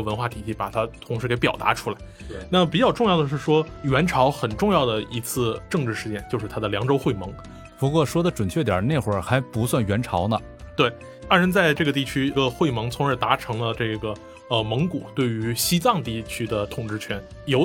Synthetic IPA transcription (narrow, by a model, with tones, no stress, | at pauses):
ə˩wə˧˥nxwa˥˩t̪ʰi˨˩t͡ɕʰi˥˩pa̰˨˩t̪ʰa˥t̪ʰʊ˧˥ŋʂɻ̩˧˥ke˧˥ɪpjɑ˨˩t̪a̰˧˥ʈ͡ʂʰu˥la˧˥ɪna˥˩pi˨˩t͡ɕjɑ˥˧ʊʈ͡ʂʊ˥˧ŋjɑ˥˩ʊd̪ə˩ʂ̬ɻ̩˥˩ʂwɔ˥ɥɛ˧˥nʈ͡ʂʰɑ˧˥ʊxə˨˩nʈ͡ʂʊ˥˧ŋjɑ˥˩ʊd̪ə˩i˧˥t͡sʰɹ̩˥˧ʈ͡ʂɤ˥˧ŋʈ͡ʂɻ̩˥˧ʂɻ̩˥˧t͡ɕjɛ˥˩nt͡ɕjo˥˧ʂɻ̩ʰ˥˩a˥d̪ə˨˩ljɑ˧˥ŋʈ͡ʂo˥ʊxwe˥˩ɪmɤ˧˥ŋ | pu˧˥kwɔ˥˩ʂwɔ˥d̪ə˨ʈ͡ʂwə˨˩nt͡ɕʰɥɛ˥˩t̪jɑ̰˨˩ne˥˩ɪxwə˧˥xa˧˥ɪpu˧˥swa˥˩nɥɛ˧˥nʈ͡ʂʰɑ˧˥ʊnə˧ | t̪we˥˩ɪ | a˥˩ɻə˧˥nt͡sa˥˧ɪʈ͡ʂɤ˥˩ɡə˩t̪̬i˥˩t͡ɕʰy˥˧ɡə˧xwe˥˩ɪmɤ˧˥ŋt͡sʰʊ˧˥ŋə˞˧˩t̪a˧˥ʈ͡ʂʰɤ˧˥ŋlə˧ʈ͡ʂɤ˥˩ɡə˩ | ə˧mɤ˧˥ŋku˨˩˦t̪we˥˩ɪy˧˥ɕi˥t͡sɑ˥˧ŋt̪i˥˩t͡ɕʰy˥d̪ə˨t̪ʰʊ˨˩ŋʈ͡ʂɻ̩˥˧t͡ɕʰɥɛ˧˥n | jo˧˥ʊ